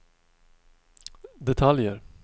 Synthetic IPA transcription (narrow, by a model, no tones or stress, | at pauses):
d̪ɛt̪ʰaljəɾ